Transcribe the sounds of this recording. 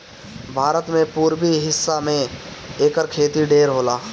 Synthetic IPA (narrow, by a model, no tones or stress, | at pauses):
bʱaːɾət̪mẽpuːɾbiɦɪsːamẽeːkəɾkʰeːt̪iɖeːɾɦoːlaː